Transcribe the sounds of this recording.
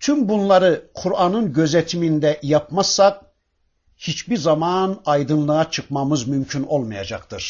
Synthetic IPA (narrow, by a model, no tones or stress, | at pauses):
t̪ʰymbunlˠaɾɯkʰuɾanɯnɟø̞zet̪ʰimind̪ɛjapmassːak̚ | hit͡ʃbiɾzamanajd̪ɯnlˠɯat͡ʃʰɯkmamɯzmymcʰyno̞lˠmaja̰d͡ʒa̰kt̪ʰɯɾ̥